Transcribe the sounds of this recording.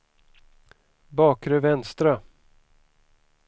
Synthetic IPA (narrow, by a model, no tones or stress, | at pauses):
bɑːkɾœvɛnst̪ɾa